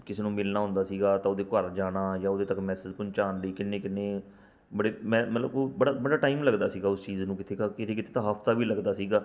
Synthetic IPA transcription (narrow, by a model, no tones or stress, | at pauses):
kɪseːnũːmɪlnaːɦʊ̃nd̪aːsiːɡaːt̪ãːʊd̪eːkəɾd͡ʒaːɽaːjãːʊd̪eːt̪əkmɛːsɪd͡ʒpʊɲt͡ʃaːnləiːkɪnːẽːkɪnːẽː | bəɽeːmɛ̃ːmət̪ləboːbəɽaːbəɽaːʈaːiːmləɡd̪aːsiːɡaːʊst͡ʃiːznũːkɪt̪ʰeːkːkɪt̪ʰeːkɪt̪ʰeːt̪ãːɦəpʰt̪aːbiːləɡd̪aːsiːɡaː